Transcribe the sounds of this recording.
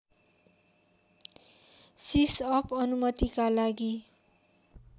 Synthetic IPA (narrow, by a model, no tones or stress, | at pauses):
sisʌpʌnumʌt̪ikalaɡi